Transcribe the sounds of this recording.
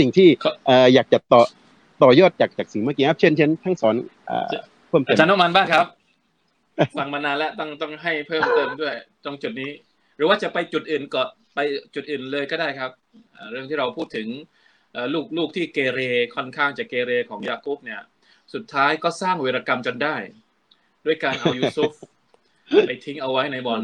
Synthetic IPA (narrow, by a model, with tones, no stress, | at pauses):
si˨˩ŋt̪ʰiː˥˩kʰʔəː˨˩jaː˨˩k̚t͡ɕa˨˩t̪ɔː˨˩ | t̪ɔː˨˩jɔː˥˩t̪̚t͡ɕaː˨˩k̚t͡ɕaː˨˩k̚si˨˩ŋma˥˩ki˧˦ʔa˦˥˩p̚t͡ɕʰe˥˨nt͡ɕʰe˦˥nt̪ʰa˦˥ŋsɔː˩˦nʔa̰ː˧˩ | pʰɤː˥˩mt̪ːt͡ɕa˦˥nːɔ˥˩ma˧nbaː˥˩ŋkʰɾa˦˥p̚ | fa˧ŋmaː˧naː˧nlɛ˦˥t̪ɔ˥˩ŋt̪ɔ˥˩ŋɦa˥˩jpʰɤː˥˩mt̪ɤː˧˩mdu˥˩əjt̪ɔ˧˩ŋt͡ɕu˨˩t̪̚niː˦˥ | ɾɯː˦waː˥˩t͡ɕa˨˩pa˧jt͡ɕu˨˩t̪̚ʔɯː˨˩nkɔː˨˩n | pa˧jt͡ɕu˨˩t̪̚ʔɯː˨˩nlɤː˧jkɔː˥˩daː˥˩jkʰa˦˥p̚ʔaː˨˩ɾɯ˥˩əŋt̪ʰiː˥˩ɾa˧wpʰuː˥˩t̪ʰːɯ˩˦ŋ | ʔaː˨˩luː˥˩k̚luː˥˩k̚t̪ʰiː˥˩keː˧ɾeː˧kʰɔ˥˩nkʰaː˥˩ŋt͡ɕaː˨˩kːeː˧ɾeː˧kʰɔː˩˦ŋjaː˧kʰuː˦˥p̚ni˥˩ɐ | su˨˩t̪ʰːaː˦˥jkɔː˥˩saː˥˩ŋweː˧ɾaː˧ka˧mt͡ɕo˧ndaː˥˩j | du˥˩əjkaː˧nʔa˧wjuː˧sʰuː˦˥p̚ | pa˧jt̪ʰi˦˥ŋʔa˧wa˦˥jna˧jbɔː˧˩n